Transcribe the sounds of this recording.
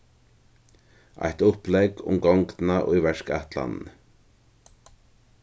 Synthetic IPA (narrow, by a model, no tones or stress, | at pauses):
a̰jht̪ʊplɛɡʊ̰mɡɔŋk̪naʔʊjvɛɹka̰ht̪la̰nn̩